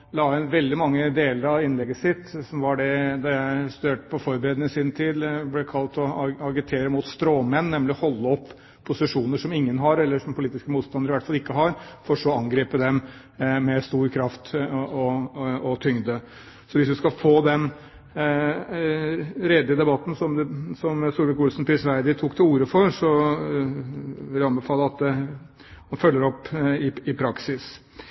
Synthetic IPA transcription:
lɑːɛnʋɛld̪ɪmɑŋːəd̪eːləɾɑʋɪnlɛɡəsɪt̪ːsɔmʋɑɖɛd̪ɑjæɪst̪ʉd̪eːʈə̥pʰɔfɔɾbəɾɛd̪nɪsɪnt̪ʰiːd̪blɛkʰɑlt̪ɔɑɡɪt̪ʰeːɾəmuːt̪st̪ɾoːmɛnːɛmlɪɔhɔlːəɔpʰː | ʊsɪʂuːnəʂɔmɪŋːənɦɑɾɛlːəʂɔmpʰʊliːt̪ɪskəmuːt̪st̪ɑnd̪əɾɪʋæʈfɑlɪkːəɦɑɾfɔʂɔɑŋɡɾeːpəd̪ɛmː | ɛst̪uːɾkʰɾɑft̪ɔɔt̪ʰʏŋd̪ə | sɔʋɪsd̪ʉskɑfoːd̪ɛn | ɾɛːd̪ɪəd̪ɛbɑt̪ːn̩sɔmd̪ɛsɔmsuːɾʋɪkʊlsnpʰɾɪsʋæɪd̪ɪt̪ʰuːkt̪ʰɪluːɾəfɔɾsɔ | ɪɪɑnbɛfɑːləɑt̪̚d̪ɛ | hɑnfœlːəɾɔpːɪɪpʰɾɑksɪs

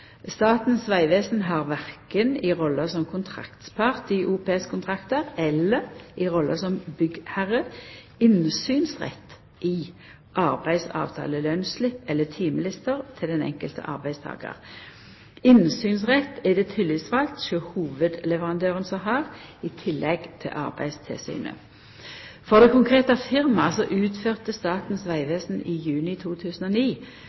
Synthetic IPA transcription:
st̪ɑːt̪n̩sʋæɪʋeːsnɦɑʁʋæʁkənɪʁɔlːəsɔmkʰʊnt̪ʰʁɑ̰kt̪pʰɑʁt̪ɪʔuːpeːɛskʰʊnt̪ʰʁɑkt̪əʁɛlːəʁɪʁɔlʔəsɔmbʏɡhæʁə | ɪnsyːnsʁɛ̰t̪ː | ʔɪ | ʔɑʁbæɪsɑ̰ːʋt̪ʰɑ̰ːləlønslɪpːɛlːət̪ʰiːməlɪst̪əʁt̪ʰɪld̪ɛnɛ̰ŋkəlt̪ə̰ʔɑ̰ʁbæɪst̪ʰɑ̰ːɡɑ̰ʁ | ɪnsyːnsʁɛt̪ːɛd̪ɛːt̪ʰɪlisʋɑlt̪ʃɔhuːʋəd̪lɛʋəʁɑnd̪øːʁənsɔɦɑːʁiːt̪ʰɪlːɛɡt̪ʰɪ̰lʔɑ̰ʁbæ̰ɪst̪ʰɪ̰lsy̰ːnə̰ | fɔʁd̪ɛkʊŋkʰʁeːt̪ɑfɪʁmɑsɔʔʉːt̪føːʁt̪əst̪ɑːt̪n̩sʋæɪʋeːsn̩ʔiːjʉːnɪt̪ʰuːt̪ʰʉːsən̩ɔniː

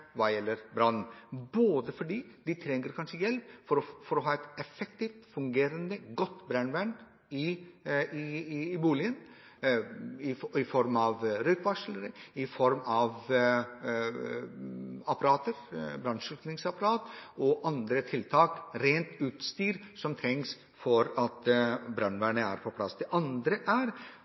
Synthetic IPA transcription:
ʋɑːjɛlːəɾbɾɑn̩boːd̪əfɔɖiːd̪ɪt̪ʰɾɛŋːəɾkʰɑnʂəjɛlpfɔɾɔfɔɾɔɦɑːɛt̪ɛfək̚t̪iːft̪fʉŋɡeːɾənd̪əɡɔt̪ːbɾænʋæn | ɪ | ɪbuːlɪən | ɪɪfɔɾmɑʋɾœʏkʋɑʂləɾɪfɔɾmɑʋ | ɑpɑɾɑːt̪əɾbɾɑnʂʉk̪nɪŋsɑpɑɾɑːt̪ɔʔɑnd̪ɾət̪ʰɪlt̪ʰɑːkɾeːnt̪ʉːt̪st̪yːɾsɔmt̪ʰɾɛŋks | fɔɾɑt̪bɾœnʋæɳəæ̰ɾpʰɔpʰlɑ̰sd̪ɛʔɑnd̪ɾəʔæɾ

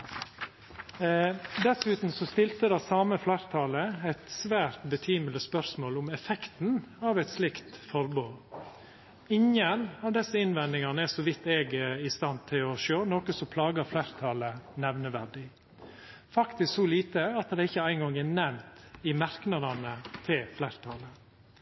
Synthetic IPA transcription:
d̪ɛsʉːt̪n̩sɔst̪ɪlt̪əd̪ɑsɑːməflæɾt̪ʰɑləæɪt̪sʋæːɾt̪bət̪ʰyːmələspœɾsmoːlʊmɛfɛkt̪n̩ɑːʋɛɪt̪slɪkt̪fɔɾboː | ɪŋənɑːʋd̪ɛsːəɪnʋɛnd̪ɪŋɑnəɛsɔʋɪt̪ːɛɡɪst̪ɑnt̪ʰɪlɔʃøːnoːkəsɔpʰlɑːɡəflæɾt̪ʰɑːlənɛʋnəʋæɖɪ | fɑkt̪ɪsksɔliːt̪əɑt̪d̪ɛɪçːəæɪŋɡɔŋɛnɛmt̪ɪmɑɾknɑd̪ɑnət̪ʰɪlflæɾt̪ʰɑːlə

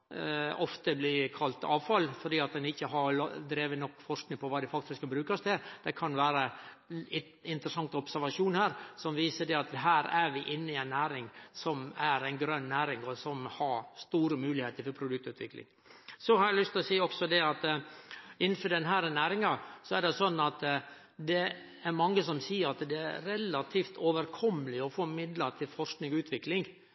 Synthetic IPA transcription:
ɔft̪əblikʰɑlt̪ɑ̰ːʋfɑlfɔɾɖ̪iːɑt̪̚d̪ɛnɪçːəɦɑɾd̪ɾeːʋənɔkːfɔʂknɪŋpʰɔʋɑːd̪ɛɪfɑkt̪ɪskɑbɾʉːkɑst̪ʰɪd̪̥ɛkʰɑnʋæːɾə | ɪnt̪ɾəsɑŋt̪ɔpsæɾʋɑʂuːnhæːɾsɔmʋiːsəd̪ɛɑt̪ɦæːɾæɾʋɪʔɪnːəɪɛɪnːæːɾɪŋsɔmæɾæɪnɡɾœnːæːɾɪŋɔsɔmhɑɾst̪uːɾəmʉːlɪheːt̪əɾfɔɾpʰɾʊd̪ʉk̚t̪ʉːt̪ʰʋɪ̰klɪ̰ŋ | sɔhɑɾælʏst̪ɪlɔsiːɔksɔd̪ɛɑt̪ | ɪnːən̩fɔɖɛnɦæːɾnæːɾɪŋɑsɔæɖɛsɔnːɑt̪ | d̪ɛ | æɾmɑŋːəsɔmsiːəɾɑt̪d̪ɛæ̰ɾɛlɑt̪ʰiːft̪ʰoʋəɾkʰɔmːəlɪɔfoːmɪd̪lət̪ʰɪlfɔʂknɪŋɡɔʉːt̪ʰʋɪklɪŋ

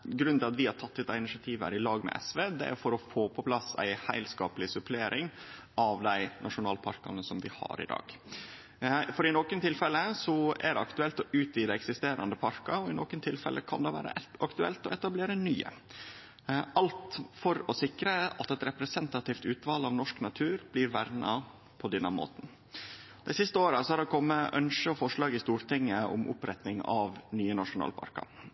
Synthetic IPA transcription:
ɡɾʉnɪlɑt̪ʋɪhɑɾʈ̪ʰɑt̪ːɪd̪æɪnɪʂɑt̪ʰiːʋə̰ɾɪlɑːɡmɛ̰ʔɛ̰sʋeːd̪ɛ̰fɔɾɔfoːpʰɔpʰlɑsæ̰ɪhæ̰ɪlskɑːpəlɪsʉpʰleːɾʔɪŋ | ɑʋd̪æɪnʔɑʂʊnɑːlpʰɑ̰ɾkɑ̰nəsɔmd̪ɪhɑ̰ɾɪ̰d̪ɑ̰ːɡ̥ | fɔɾɪnɔkənt̪ʰɪlfɛləsɔæɖɛɑkt̪ʉɛlt̪ɔʔʉːt̪iːd̪əɛksɪst̪eːɾɑ̰nd̪əpʰɑɾkɑɔɪnoːkənt̪ʰɪlfɛ̰lʔəkʰɑ̰nd̪ɛʋæ̰ːɾə̰ɑkt̪ʉɛ̰lt̪ɔɛt̪ɑbleːɾənyːə̰ | ɑlt̪fɔɾɔsɪkɾəɑt̪ɛt̪ɾɛpɾɛsɛnt̪ɑt̪ɪːft̪ʉːt̪ʋɑːlɑʋnɔʂknɑt̪ʰʉːɾblɪɾʋæɾnɑ | pʰɔd̪ɛnːəmo̰ːt̪n̩ | d̪ɛɪsɪst̪əoːɾɑsɔhɑɾd̪ɛkʰɔmːəʔœnʃəɔfɔʂɭɑːɡɪst̪uːɾt̪ɪŋːəʊ̰mʔʊ̰pɾɛt̪nɪŋɑ̰ʋnyːənɑʂʊnɑ̰ːlpʰɑ̰ɾkɑ̰

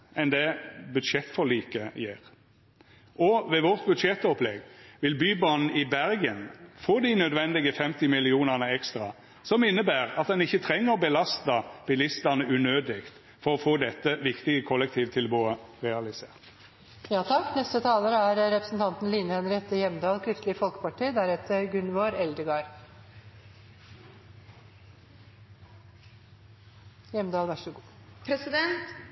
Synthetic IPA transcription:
ɛnd̪ɛbʉd̪ʂɛt̪ːfɔliːkəjeːɾ | ʔɔʋɛʋɔʁt̪̚bʉd̪ʂɛt̪ːɔplɛɡʋɪlbyːbɑnn̩ɪbæɾɡənfoːd̪ɪnœd̪ʋɛnd̪ɪɡəfɛmt̪ɪmɪlɪuːnəʁnəɛkst̪ɾɑ̰ | sɔmɪnːəbæːɾɑt̪̚d̪ɛnɪçːət̪ʰɾɛŋːəʁɔbəlɑst̪əb̥ɪlɪst̪ənəʔʉːnøːd̪ɪkt̪ | fɔɾɔfoːd̪ɛt̪ːəʋɪkt̪ɪɡəkʰɔlːɛk̚t̪ʰiːʋt̪ʰɪlboːəʁɛɑlɪseːʁt̪ | jɑːt̪ʰɑkːnɛst̪ət̪ʰɑːləɾəæɾɾɛpɾəsn̩t̪ʰɑnt̪n̩liːnəhɛnɾɛt̪ːəjɛmd̪ɑːlkʰɾʏft̪lɪəfɔlkə̥pɑʈʰiːd̪æɾɛt̪əɾɡʉnʋoːɾɛld̪əɡɑːɾ | jɛmd̪ɑːlʋæʂəɡuːpɾɛsɪd̪ɛnt̪

